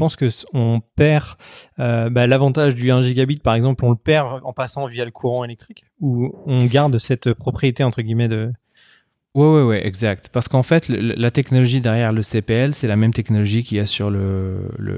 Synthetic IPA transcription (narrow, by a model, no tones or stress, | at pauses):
pɑ̃skəɔ̃pɛʁøbalavɑ̃t̪aʒd̪yɛ̃ʒiɡʲabit̪̚paʁɛɡzɑ̃plɔ̃ləpɛʁɑ̰̃pasɑ̃vijaləkʰuʁɑ̃elɛk̚t̪χik | uɔ̃ɡaʁd̪sɛt̪pχɔpχijet̪eɑ̃t̪χəɡʲimɛd̪ə | wɛwɛwɛʔɛɡzak̚t̪paʁsə̥kɑ̃fɛt̪ləl̰lat̪ɛknɔlɔʒid̪ɛʁjɛʁləsepeɛlsɛlamɛmt̪ɛknɔlɔʒikʲiasyʁlələ̰